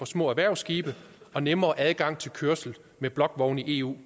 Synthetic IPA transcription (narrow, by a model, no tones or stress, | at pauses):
ɒ̽smɔ̰̽ːæʋæɐ̰ʊsɡ̥iːb̥ə | ɒ̽nemɐːʔæðˠɡ̥ɑ̈ŋ̰t͡sʰe̝lkʰøɐsl̩ | meb̥lɒ̽ɡ̥ʋɒʊniʔe̝ːṵː